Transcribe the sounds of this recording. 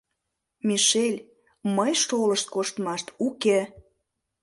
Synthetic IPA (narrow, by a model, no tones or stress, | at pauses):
miʃelʲ | məjʃoləʃt̪̚koʃt̪mɑʃt̪uke